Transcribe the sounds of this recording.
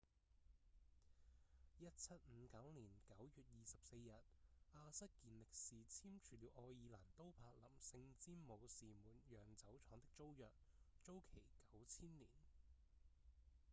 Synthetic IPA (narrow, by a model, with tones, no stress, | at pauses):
jɐ˥t̚t͡sʰɐ˥t̚m̩˨˧˦kɐ˨˥wniː˨˩nkɐ˨˥wjyː˨t̚jiː˨˧sɐ˨p̚se˧jjɐ˨t̚aː˧sɐ˥t̚kiː˧nlɪ˨k̚siː˨t͡sʰiː˥mt͡ʃʰyː˨˩liː˨˧wʔɔː˧jiː˨˧laː˨˩nt̪o˥wpʰaː˧k̚lɐ˨˩msɪ˧ŋt͡siː˥mmo˨˧wsiː˨muː˨˩njœː˨˩ŋt͡sɐ˨˥wt͡sʰɔː˨˥ŋt̪ɪ˥k̚t͡so˥wjœ̰ː˨k̚ | t͡ʃo˥wkʰe˨˩jkɐ˨˥wt͡sʰiː˥nliː˨˩n